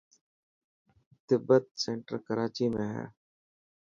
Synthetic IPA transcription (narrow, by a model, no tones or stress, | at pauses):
t̪ɪbət̪̚seːɳʈəɾkəɾaːt͡ʃiːmẽːɦɛ̰ː